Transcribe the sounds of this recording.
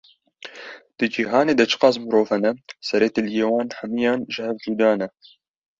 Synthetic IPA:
d̪̥ɨd͡ʒiːɦɑːneːd̪ɐt͡ʃʰɨ̥qɑːzmɨɾoːfhɛnɛsɛɾeːt̪eljeːwɑːnħɐmijɑːnʒɨhɛvd͡ʒ̪iːd̪ɑːnɛ

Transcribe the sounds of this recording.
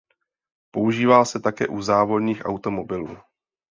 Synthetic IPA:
po̞uʒiːvalsɛt̪akɛ̰ːʔuzaːvo̞dɲiːxʔa̰wt̪o̞mo̞bɪluː

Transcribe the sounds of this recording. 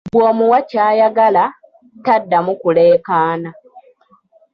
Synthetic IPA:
bwoːmuwacaːjaɡala | tadːamukule̞ːkaːna

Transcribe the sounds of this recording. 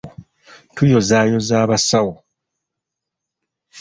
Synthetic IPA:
tujo̞zaːjo̞zaːβasawo

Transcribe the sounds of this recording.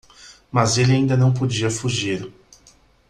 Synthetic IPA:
mɐzelɪaĩnd̪ɐnɐ̃w̃pod͡ʒiɐfuʒiɾ

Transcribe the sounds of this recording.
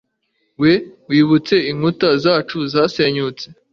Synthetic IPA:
we̞wiːβut͡se̞iŋutazaːt͡ʃuzaːse̞ɲut͡se

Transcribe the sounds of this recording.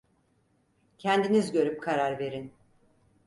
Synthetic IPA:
cʰɛnd̪inizɟø̞ɾyp̚kʰaɾaɾve̞ɾin

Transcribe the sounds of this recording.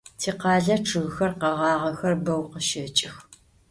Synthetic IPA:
tʰiːqɑːɮɐʈ͡ʂʰɨɣxɐrqɐʁɑːʁɐxɐrbɐwqəʃɐt͡ʃʼɪx

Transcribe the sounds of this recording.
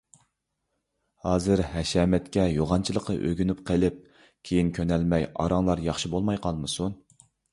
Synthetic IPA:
hɑːzɨɾɦɛʃɛːmɛt̪kʲɛjoʁɑnt͡ʃʰilˠəqʰə̰ʔøɡʲynyp̚qʰəlˠɪp̚ | kʲʰejinkʲʰønɛlmɛjɑ̰ɾɑŋlˠɑɾjɑχʃibolˠmɑjqʰɑlˠmɨsun

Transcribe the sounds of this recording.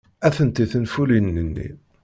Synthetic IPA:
æθənt̪iθənfulinːənːḭ

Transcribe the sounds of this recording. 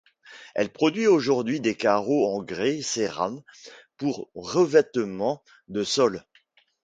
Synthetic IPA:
ɛ̰lpχɔd̪ɥioʒuʁd̪ɥid̪ekaʁoɑ̃ɡʁeseʁa̰mpuʁːəvɛt̪mɑ̃ | d̪əsɔl

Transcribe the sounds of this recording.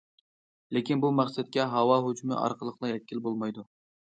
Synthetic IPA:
lɪkʲinbumæχsɛt̪̚kʲɛɦɑwɑɦod͡ʒmɪ̰ʔɑ̰ɾqʰəlˠəqlˠɑɦɛt̪̚kʲːilbolˠmɑjd̪u

